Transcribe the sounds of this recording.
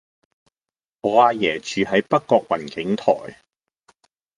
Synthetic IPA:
ɔː˨˧aː˧jɛː˨˩t͡ʃyː˨ɦɐ˨˥jpɐ˥kkːɔː˧k̚wɐ˨˩nkɪ˨˥ŋt̪ʰɔ̰ː˨˩j

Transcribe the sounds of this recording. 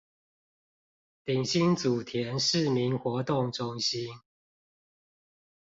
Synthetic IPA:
t̪i˨˩ŋɕi˦nt͡su˨˩t̪ʰjɛ˨˦nʂɻ̩˥˨mi˨˦nxwɔ˨˦t̪ʊ˥˨ŋʈ͡ʂʊ˦ŋɕi˦n

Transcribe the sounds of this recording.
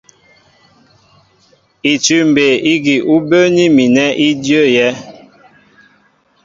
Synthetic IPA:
i˨t͡ʃʉ˦m˨be˨i˦ɡi˨ʔu˦bø˦ni˦mi˨nɛ˦ʔi˦djø˦˨jɛ˦

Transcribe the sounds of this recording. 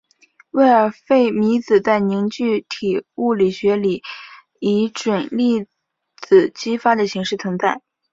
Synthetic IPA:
we˥˩ɪə˧˥fe˥˩ɪmi˧˥t͡sɹ̩˨˩t͡sa˥˩ɪni˧˥ŋt͡ɕy˥˩t̪ʰi˨˩u˥˩li˨˩ɕɥɛ˧˥li˨˩˦ | i˧˥ʈ͡ʂwə˨˩nli˥˩ | t͡sɹ̩˨˩t͡ɕi˥fa˥d̪ə˨ɕi˧˥ŋʂɻ̩˥˩t͡sʰʊ˧˥ŋt͡sa˥˩ɪ

